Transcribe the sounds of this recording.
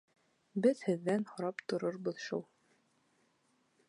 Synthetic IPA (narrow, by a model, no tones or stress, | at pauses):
bɘðhɘ̆ðːænhŏɾɑpt̪ŏɾoɾbɤðʃṵlˠ